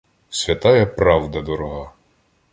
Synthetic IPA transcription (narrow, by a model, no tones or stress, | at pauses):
sʲʋʲɐt̪ɑjɛpɾɑwd̪ɐd̪ɔɾɔɦɑ